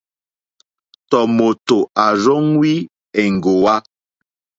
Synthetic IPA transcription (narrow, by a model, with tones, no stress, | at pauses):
tɔ˨mo˨to˨a˨zo˦ŋwi˦ | ɛ˨ŋ̩˨ɡo˨wa˦